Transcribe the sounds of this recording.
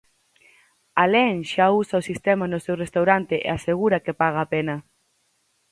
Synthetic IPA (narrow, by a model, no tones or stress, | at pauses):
alɛŋʃausaosist̪ɛmanʊsewrest̪awɾant̪ɪʔḛaseɣuɾakepaɣaːpenɐ